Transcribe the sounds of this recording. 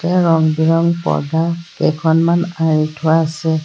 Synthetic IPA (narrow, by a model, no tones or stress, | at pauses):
tɛɹɔŋbiɹɔŋpɔ̰dakɛ̰kʰɔnmanaɹitʰʊwaːsɛ